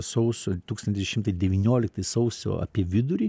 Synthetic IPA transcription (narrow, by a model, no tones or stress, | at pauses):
sɐʊsʲot̪uːkst̪ɐnt̪ʲɪʃʲɪmt̪ɐɪd̪ʲɛʋʲiːnʲoːlʲɪk̚t̪ɐɪsɐʊsʲo̰ːɐ̰pʲiɛʋʲɪd̪ʊɾʲiː